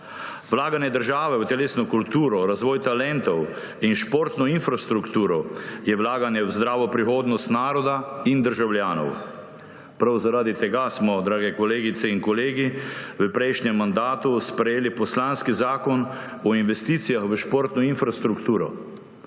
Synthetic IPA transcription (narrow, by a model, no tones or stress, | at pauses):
ʋlaːɡanjɛd̪əɾʒaːʋɛwt̪ɛleːsnɔkult̪uːɾɔɾazʋɔːjt̪alɛnt̪ɔw | inʃpoɾt̪nɔinfɾast̪ɾukt̪uːɾɔjɛwlaːɡanjɛwzd̪ɾaːʋɔpɾixoːd̪nɔst̪naːɾɔd̪aind̪əɾʒawljaːnɔ̰w | pɾawzaɾaːd̪it̪ɛɡasmɔd̪ɾaːɡɛkɔleːɡit̪sɛiŋkɔleːɡiʋəpɾɛjʃnɛmːand̪aːt̪uspɾɛjeːlipɔslanskizaːkɔn | ɔinʋɛst̪iːt̪sijaxʋəʃpoɾt̪nɔinfɾast̪ɾukt̪uːɾɔ